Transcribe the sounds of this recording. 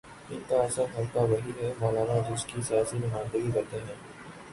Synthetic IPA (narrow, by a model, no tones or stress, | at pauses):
ɪnt̪aːsəmɦɐlkaʋɐɦiɦɛmaːlaːnad͡ʒʊskisijaːsinʊmãːnd̪əɡiɾɐɾt̪eɦɛ̃ː